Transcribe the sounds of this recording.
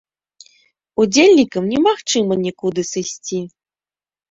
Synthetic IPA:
ud͡zʲelʲnʲikɐmnʲɛmaxt͡ʂɨmɐnʲikud̪ɨsɨsʲt͡sʲi

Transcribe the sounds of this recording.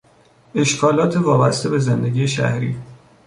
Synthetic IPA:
e̞ʃkʰɒːlɒːt̪ʰevɒːbæst̪e̞be̞zend̪e̞ɡʲiːeʃæ̰hɾḭː

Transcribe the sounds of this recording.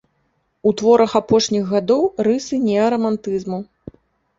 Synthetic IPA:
ut̪vɔɾɐxapɔʂnʲiɣɣad̪ɔwrɨsɨnʲɛɐɾɐmant̪ɨzmu

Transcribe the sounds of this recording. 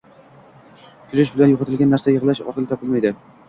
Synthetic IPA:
k̪ʲʰʊlɪʃbɪlanjoqɨt̪ʰɪlˠɡʲanːaɾsajəʁlˠaʃɒ̰qɨlˠt̪ɒpɪlmajd̪ɪ

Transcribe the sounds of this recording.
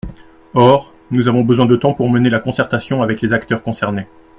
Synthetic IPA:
ɔʁ | nuzavɔ̃bəzwɛ̃d̪ət̪ɑ̃puʁmənelakɔ̃sɛʁt̪asjɔ̃avɛklezakt̪œʁkɔ̃sɛʁne

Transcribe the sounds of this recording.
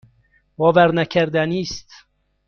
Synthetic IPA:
vɒːvæɾnækʰæɾd̪ænist̪

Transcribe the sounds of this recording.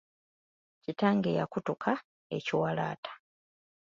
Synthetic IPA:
citaːŋɡe̞jakutukʰa | e̞ciwala̰ːtʰḁ

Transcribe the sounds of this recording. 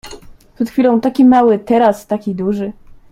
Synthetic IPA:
pʂɛt̪xfʲilɔ̃w̃t̪akʲimawɘt̪ɛɾast̪akʲid̪uʐɘ

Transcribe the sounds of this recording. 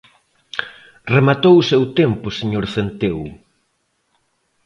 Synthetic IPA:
remat̪owʊsewt̪empʊseɲoɾθent̪ew

